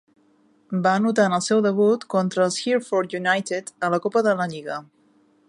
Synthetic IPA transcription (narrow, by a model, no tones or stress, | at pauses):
banut̪̬anəlˠsɛwðəβ̞ut̪kɔnt̪ɾəːlˠsxiɾfɔɾt̪junajt̪et̪ələkopəðələʎiɣə